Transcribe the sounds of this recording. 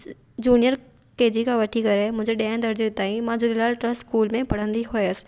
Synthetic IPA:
d͡ʑuːnijəɾ | keːd͡ʑikʰãʋɐʈʰikɐɾemʊ̃ɦɪ̃ɲd͡ʑeɗẽːnd̪əɾd͡ʑet̪aːĩmãːd͡ʑolɪlaːlʈɾəsskuːlmẽpɐɽ̤ə̃nd̪iɦʊeəsɪ̥

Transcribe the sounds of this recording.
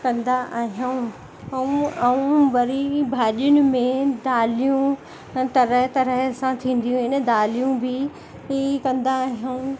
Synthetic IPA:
kɐ̃nd̪aʔaːɦijaũ | ũɐũʋɐɾibʱaːʄjʊnɪ̆mẽd̪aːlijũ | t̪ɐɾəɦt̪ɐɾəɦsãt̪ʰĩːn̆d̪ijũɪnəd̪aːlijũbɪ | ikɐ̃nd̪aːɦijaũ

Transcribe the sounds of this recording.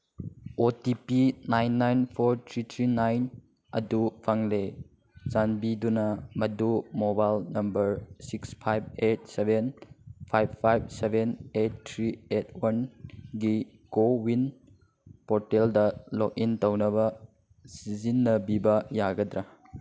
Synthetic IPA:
otipinajnːajnpʰoɾtʰɾitʰɾinajn | ɐdupʰaŋle | zanbidunɐmɐdumobajlnɐmbɐɾsikspʰajb̚et̚sebʱenpʰajbːajb̚sebenet̚ːʰɾiet̚ʰwɐnɡi | ɡowin | poɾteldɐlok̚intɐwnɐbɐ | sizinːɐbibɐjaɡɐdɾa

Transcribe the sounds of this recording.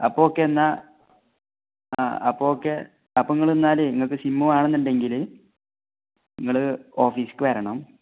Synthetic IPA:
ɐ̰pːookːenːɐ | a̰ːɐpːookːe | ɐpːɐiŋːɐɭenːaːlɨniŋːɐɭk̬ːɨsimːumaːɳenːuɳɖe̞ŋɡil | iŋːɐɭɨo̞ːfiːsɨ̥kːɨʋɐɾɐɳɐm

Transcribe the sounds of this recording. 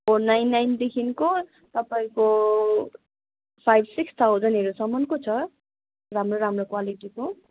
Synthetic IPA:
onːajnːajnd̪ekʰinko | t̪ʌpaĩko | pʰajbsikst̪ʰawd͡zʌnʌɾusʌmʌnkot͡sʰʌ | ramroɾamrokwaliʈiko

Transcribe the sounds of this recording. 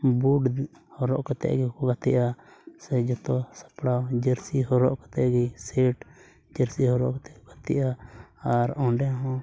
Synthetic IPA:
buɖ | hɔɾɔʔkɔt̪ɛ̰ʔɡɛkɔɡat̪iʔasɛd͡ʒɔt̪ɔsḁpɽawd͡ʒəɾsiɦɔɾɔʔkɔt̪ɛʔɡiseʈ | d͡ʒɛɾsihɔɾɔ̰ʔkɔt̪ɛɔɡat̪ḭʔaaɾɔ̃ɖɛɦɔ̃

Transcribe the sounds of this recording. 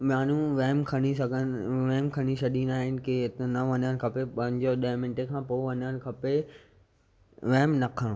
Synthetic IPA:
maːnũʋeːmkʰɐɽ̃isɐɡʱənʋɛːmkʰɐɽ̃isɐɗĩnaːɦɪnɪ̆keɪt̪nɐʋɐnəñkʰɐpepɐ̃ɦɪ̃ɲd͡ʑoɗɐɦmɪ̃ɳʈekʰãpoːʋɐnəñ̆kʰɐpe | ʋeːmnɐkʰə̃

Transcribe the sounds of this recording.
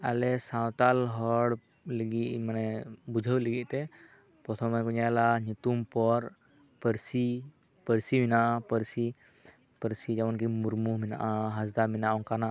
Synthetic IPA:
a̰lɛsãwt̪alɦɔɽ | ləɡiʔmanɛbud͡ʒʱəwləɡiʔ̚ˀt̪ɛ | pɾɔt̪ʰɔmɛkuɲalaɲut̪umpɔɾ | pəɾsi | pəɾsiminaʔapəɾsi | pəɾsid͡ʒawank̬imuɾmuɦmina̰ʔaɦazd̪aminaʔɔŋkana

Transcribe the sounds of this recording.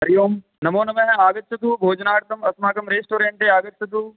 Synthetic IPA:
ɦɐɾijoːm | nɐmoːnɐmɐ̃ɦaːɡɐt̪̚t͡ʃɐt̪uːbʱoːd͡ʒnaːɽt̪ɐmɐsmaːkɐmɾeːsʈoːɾẽːɳʈeːaːɡɐt̪̚t͡ʃɐt̪uː

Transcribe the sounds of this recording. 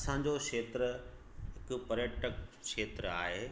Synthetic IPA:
ɐsãːɲ̆d͡ʑokeːt̪ɾəɦɪkʊ̆pɐɾjəʈʰəkʃeːt̪ɾəa̰ːɦeː

